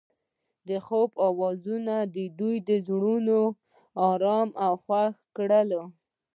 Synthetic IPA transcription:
d̪əxobɑwɑzunad̪əd̪ujd̪əzɽuno | ɑɾɑmʔawxwaxkɽəlo

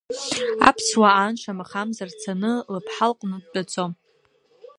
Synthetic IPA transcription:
a̰pʰswaanʃʷamaχamzart͡sʰanɨlapʰħalqʼnɨd̚dat͡sʼom

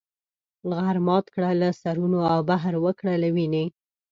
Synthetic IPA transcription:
ɣaɾmɑt̪kɽalasaɾunoawbaɦɾwəkɽalawine

